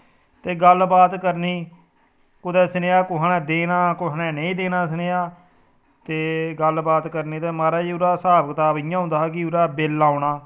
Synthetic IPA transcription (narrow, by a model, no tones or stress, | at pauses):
t̪eːɡəlbaːt̪kəɾniː | kʊd̪ɛːsəneːaːkʊɦnɛ̃ːd̪eːnaːkʊɦnɛ̃ːnəĩːd̪eːnaːsəneːaː | t̪eːɡəlbaːt̪kəɾniːt̪eːmaːɾaːiːʊɾaːsaːbəkt̪aːbɪːjãːɦʊ̃nd̪aːɦːkɪʊɾaːbeːlːaːʊnaː